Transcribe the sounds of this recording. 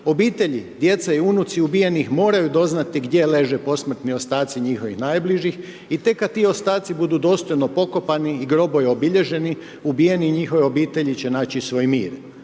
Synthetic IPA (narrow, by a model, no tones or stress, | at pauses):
o̞biːt̪e̞ʎid̪je̞t̪saiunut̪siubije̞nixmo̞ːɾajud̪o̞znat̪iɡd̪je̞le̞ʒepo̞smr̩t̪nio̞st̪aːt̪siɲixo̞ʋixnaːjbliʒix | it̪e̞kːat̪iːo̞st̪aːt̪sibud̪uːd̪o̞ːst̪o̞jno̞po̞ko̞paniːɡɾo̞bo̞jeobiʎe̞ʒe̞ni | ubije̞niɲixo̞ʋeo̞biːt̪e̞ʎit͡ɕe̞naːt͡ɕisʋo̞ːjmiːɾ